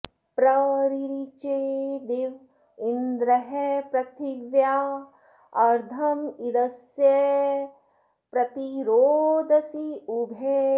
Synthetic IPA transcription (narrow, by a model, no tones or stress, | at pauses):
pɾɐɾiɾit͡ʃed̪eʋ | ind̪ɾɐɦepɾɐt̪iʋja | ɐɾd̪ʱɐmid̪ɐsje | pɾɐt̪iɾoːd̪ɐsiubʱe